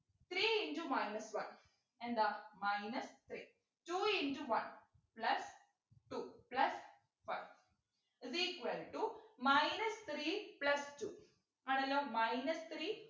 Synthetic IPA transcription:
t̪ʰɾiːĩnd͡ʒumajnɐsʋɐn | ɛ̃nd̪ɐmajnɐst̪ʰɾiː | ʈuːĩnd͡ʒuʋɐ̃n | plɐs | ʈuplɐs | faj | iziːkʋɐlʈumajnɐst̪ʰɾiːplɐsʈuː | ɐnɐlomajnɐst̪ʰɾiː

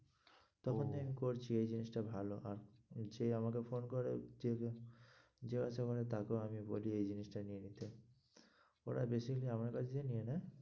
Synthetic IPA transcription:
t̪ɔkʰont̪eamikoɾt͡ɕʰiejd͡ʑinisʈabʱaloʔaɾd͡ʑeamakefonkoɾed͡ʑe | d͡ʑeɡat͡ɕʰakɔɾet̪akeoamiboliejd͡ʑinisʈanienit̪e | o̰ɾa̰besikaliamaɾkat͡ɕʰd͡ʑieniena

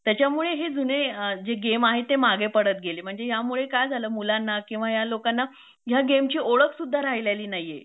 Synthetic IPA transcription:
t̪jat͡ɕjamuɭeɦed͡zuned͡zeɡemaɦet̪ːemaɡepəɽət̪̚ɡelem̤əɳd͡zeɦjamuɭekajd͡zʱaləːmulanːakĩw̃ʋajalokanːa | ɦjaɡemt͡ɕiːʔoɭəkʰsud̪ʱːaɾaɦilaliːnajːḛ

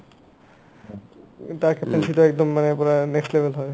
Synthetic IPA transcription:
t̪aɾkeent͡ʃit̪oɛk̚d̪omːanepɔɾanekstlebʱelɦɔe

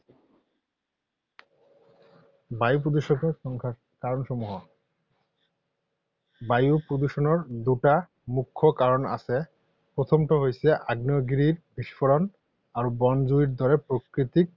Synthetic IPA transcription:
bajup̬ɾod̪uʃokeɾɔŋkʰa | kaɾonʃɔmuɦo | bajupɾod̪uʃonoɾd̪uʈa | mukʰːokaɾona̰t͡ɕʰe | pɾot̪ʰomʈoɦojsʰeʔaɡnoɡiɾiɾbiʃfoɾon | aɾubɔnd͡ʑuiɾd̪ʱɔɾepɾokɾit̪ik̚

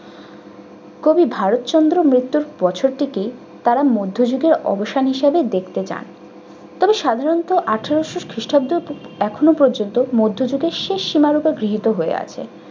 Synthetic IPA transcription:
kobibʱaɾot̪t͡ɕɔnd̪ɾomɾit̪ːuɾbɔt͡ɕʰoɾʈike | t̪aɾamod̪ʱːod͡ʑuɡeɾɔ̰boʃanɦiʃabed̪ekʰt̪et͡ɕa̰n | t̪ɔbeʃad̪ʱaɾont̪oʔaʈʰeɾoʃuʃkʰɾiʃʈʰabd̪uɛkʰonopɔɾd͡ʑont̪omod̪ʱːod͡ʑuɡeɾʃeʃːimaɾupeɡɾiɦit̪oɦoḛa̰t͡ɕʰḛ

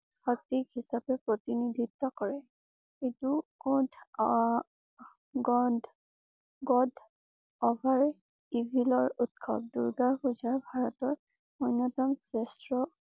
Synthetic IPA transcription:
xɔk̚tikhisapɛpɹotinid̪ʱitːɔkɔɹɛ | etukɔ̃d | ɡɔd | ɡɔd | ɔbʱaɹ | ibʱilɔɹutkʰɔ̰p̚duɹɡaɹpuzaɹbʱaɹɔtɔɹ | ɔjnːɔtɔmsɛstɹɔ

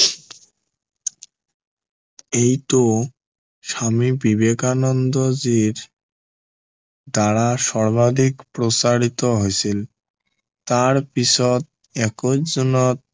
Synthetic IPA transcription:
ejt̪o | ʃamibibekanond̪od͡ʑiɾ | d̪aɽaʃɔɾbad̪ʱikpɾosaɾit̪oɦoet͡ɕʰil | t̪aɾpit͡ɕʰɔt̪̚ | ɛkod͡ʑunɔt̪̚

